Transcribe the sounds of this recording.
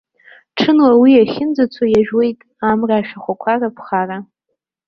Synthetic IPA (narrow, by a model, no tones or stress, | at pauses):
ʈ͡ʂʰɨnwawiaχʲɪnd͡zat͡sʷʰajaʒᶣwe̞jtʼ | amraːʃᶣaχʷakʷʰarapʰχara